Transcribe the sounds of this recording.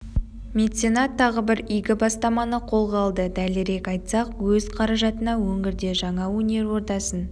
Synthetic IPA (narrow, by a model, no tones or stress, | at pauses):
mʲe̞t̪t̪senɑt̪ʰːɑʁəbɪɾijɡʲɪbɑst̪ɑmɑnəqʰo̞lˠʁɑlˠd̪əd̪ælɪɾe̞kɑjt̪sɑqwɵzqʰɑɾɑʒɑt̪ənɑwɵŋɡʲɪɾd̪e̞ʒɑɴɑwɵne̞ɾwo̞ɾt̪ɑsən